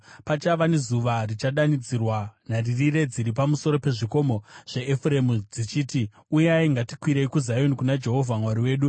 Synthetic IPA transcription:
pat͡ʃaʋane̞zuʋarit͡ʃaɗanid͡zirwanaririre̞d͡ziɾip̬amuso̞ɾo̞pe̞ʐiko̞mo̞ʐ̥e̞ːfre̞mud͡zit͡ʃiːti | ujeaiŋɡatikwiɾeikuzajo̞nikunad͡ʒe̞ɦo̞vʱamwaɾiwe̞ːɗu

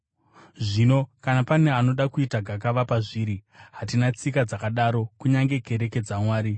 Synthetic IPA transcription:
ʐiːno̞kanapane̞ano̞ɗakuitaɡʱakaʋapaʐiːɾiɦatinat͡sikad͡zakaɗaɾo̞kuɲaŋɡe̞ɡʱe̞ɾe̞ke̞d͡zamwaːɾi

